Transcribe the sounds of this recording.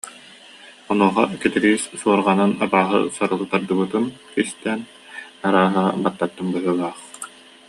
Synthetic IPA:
ɔnuɔχɔ̰kɛt̪iɾiːssuɔɾʁananabaːɦɯ̰saɾɯlˠɯt̪aɾd̪ɯbɯt̪ɯnkist̪ɛn | aɾaːɦabat̪ːat̪ːɯnbɯɦɯlˠaːχ

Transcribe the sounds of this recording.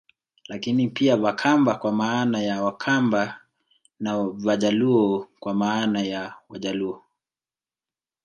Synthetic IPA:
lakinipiavakʰambakwamaːnajawakʰamba | navaʄaluɔkwamaːnajawaʄaluɔ

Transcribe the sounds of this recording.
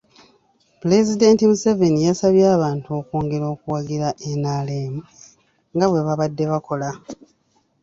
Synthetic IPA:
pule̞zide̞ntimuseve̞nijasaβjaːβaːntuo̞ːkoːŋɡeɾo̞ːkuwaɡiɾaʔenaːleːmu | ŋɡaβwe̞βaβadːe̞βako̞la

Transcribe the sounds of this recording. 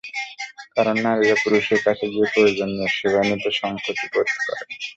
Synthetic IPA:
kaɾonːaɾeɾapuɾuʃeɾkat͡ɕʰed̪iekoɾed͡ʑonːeʃebʱanit̪oʃɔŋkʰot̪ikoɾ̥kɔ̰ɾe

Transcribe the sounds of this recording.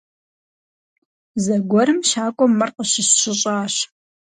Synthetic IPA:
zɐɡʷɔɾɨmʃaːkʷʼɔmːɐrqəɕɪsɕɪɕʼaːɕ

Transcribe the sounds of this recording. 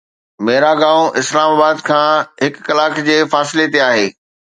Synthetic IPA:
meːɾaɡãːõʔɪslaːmaːbaːd̪kʰãːɦɪkːɐlaːkd͡ʑeːfaːsɪlet̪eaːɦeː

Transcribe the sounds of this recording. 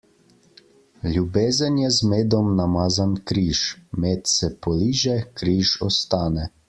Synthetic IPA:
lʲjubeːzənjɛzmeːd̪ɔmnamaːzankɾiːʃmeːt̪sɛpɔliːʒɛkɾiːʃɔ̰st̪aːnɛ

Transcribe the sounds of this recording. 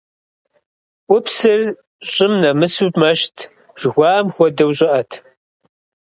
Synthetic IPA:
ʔʷʊpsɨr | ɕʼɪmnɐmɨsutmɐʃtʰ | ʐ̥ɣʷɑːmxʷɔdɐwɕʼɪʔɐtʰ

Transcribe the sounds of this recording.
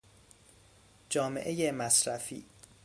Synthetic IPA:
d͡ʒɒːmḛʔejemæsɾæfḭː

